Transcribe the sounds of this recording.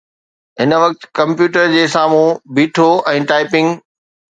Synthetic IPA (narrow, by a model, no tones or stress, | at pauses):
ɦɪnəʋɐk̚t̪kɐ̃mpjuːʈəɾd͡ʑeːsaːmũbiːʈʰoʔɛ̃ːʈaːɪpɪ̃ŋɡ